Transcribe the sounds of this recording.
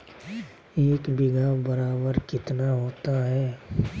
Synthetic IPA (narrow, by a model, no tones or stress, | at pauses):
eːkbɪɡabɐɾaːbəɾkɪt̪naɦoːt̪aɦɛː